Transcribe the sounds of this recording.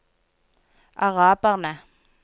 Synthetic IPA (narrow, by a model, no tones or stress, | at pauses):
aɣapʼana